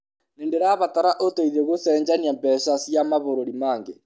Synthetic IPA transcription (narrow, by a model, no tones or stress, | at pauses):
nendeɾaβataɾaʔotoiðeɣosɛːɲd͡ʑaniambɛɕasjamaβoɾoɾimaːŋɡe